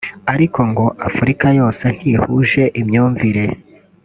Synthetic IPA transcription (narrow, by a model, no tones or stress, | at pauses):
aɾiko̞ŋɡo̞ʔafuɾikajo̞ːse̞n̥hihuʒe̞ʔimɲuːɱviɾe̞